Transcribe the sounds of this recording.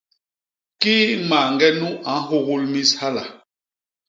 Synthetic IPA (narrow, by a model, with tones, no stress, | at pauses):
ki˦ma˨ŋɡɛ˦nu˦a˨˦ɦo˦ɣu˦lmi˦sha˦la̰˨